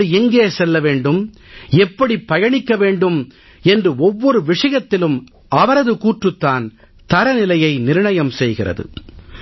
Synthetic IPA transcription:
ɯɛŋɡeːsɛlːɐʋeːɳɖɯm | ɛpːɐɽipːɐjɐɳɪkːɐʋeːɳɖɯm | ɛndrɯɔʋːɔɾɯʋɪʂɐjɐt̪ːɪlɯm | ʔɐʋɐɾɐðɯkuːʈrɯt̪ːaːn | t̪ɐɾɐnɪlɐjɐɪnɪɾɯɳɐjɐmsɛjɣɪrɐ̰ðɯ̰

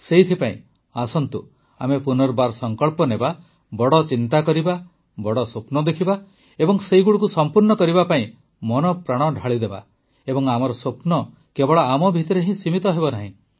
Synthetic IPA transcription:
seɦit̪ʰipaḭ̃ | asɔnt̪ṵ | a̰mepunɔɾbaɾsɔŋkɔɭpɔneba | bɔɽɔt͡ʃint̪akɔɾiba | bɔɽɔsopnɔd̪ekʰiba | ebɔŋseiɡuɽukusɔmpuɾnɔkɔɾibapaĩ | mɔnɔpɾaɽ̃ɔɖʱaɭid̪eba̰ | ebɔŋamɔɾɔsopnɔ | kebɔɭɔamɔbʱit̪ɔɾeɦĩsimit̪ɔɦebɔnaɦĩ

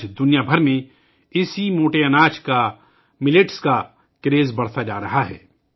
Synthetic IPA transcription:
t͡ʃd̪ʊnijabʱɐɾmẽ | ɪsimoːʈeɐnaːt͡ʃka | mɪleʈska | kɾeːzbɐɽ̤t̪ad͡ʒaːɾɐɦaɦɛ̰ː

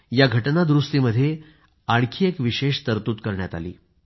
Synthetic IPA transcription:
jaɡʱəʈnad̪ɾust̪iməd̪ʱːje | aɽkʰiːekʋiɕeʂt̪əɾt̪uːt̪kəɾɳjat̪a̰lḭː

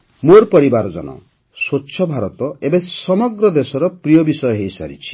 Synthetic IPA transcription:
moɾpɔɾibaɾɔd͡ʒɔ̰nɔ̰ | swotːʃʰɔbʱaɾɔt̪ɔebesɔmɔɡɾɔd̪esɔɾɔpɾijɔbisɔjɔɦejsa̰ɾḭt͡ʃʰi̥

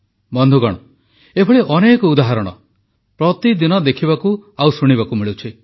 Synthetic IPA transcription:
bɔnd̪ʱuɡɔɽ̃ɔ | ebʰʱɔɭeʔɔnekɔud̪aɦaɾɔɽ̃ɔ̰ | pɾɔt̪id̪inɔd̪ekʰibakuawsuɽ̃ibakumiɭut͡ʃʰi

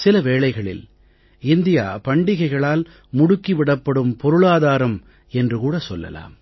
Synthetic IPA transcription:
sɪlɐʋeːɭɐɪɣɐɭɪ̰l | ɪnd̪ɪja̰ːpɐɳɖɪɣɐɪɣɐɭaːl | mʊɽʊkːɪʋɪɽɐpːɐɽɯmpɔɾɯɭaːðaːɾɐm | ɛndrɯkuːɽɐsɔlːɐ̰la̰ːm

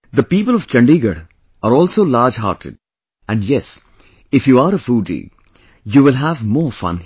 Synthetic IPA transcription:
d̪əpiːpəlɔʋ̥t͡ʃɐ̃ɳɖiɡəɽ | aɾɔːlsoːlaːɾd͡ʒɦa̰ːɾʈʰɪ̰ɖ | æ̃ɳɖjɛs | ɪfjuːaɾəfuːɖḭɡ | juːʋɪlɦævmɔːfʌ̰̃n

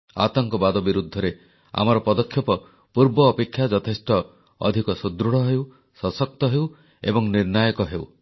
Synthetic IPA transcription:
a̰t̪ɔŋkɔbad̪ɔbiɾud̪ʱːɔɾe | a̰mɔɾɔpɔd̪ɔkʰːjɔpɔ | puɾbɔːpekʰːjad͡ʒɔt̪ʰesʈɔ | ɔ̰d̪ʱikɔsud̪ɾuɽɔɦew | sɔsɔk̚t̪ɔɦew | ḛbɔŋniɾnajɔkɔɦew

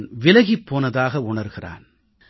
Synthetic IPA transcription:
nʋɪlɐɣipːoːnɐðaːɣɐʊɳɐɾɣɪra̰ːn

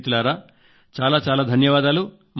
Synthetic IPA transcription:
t̪ulaːɾaː | t͡ʃaːlaːt͡ʃaːlaːd̪ʱɐnjɐʋaːd̪aːlu | m

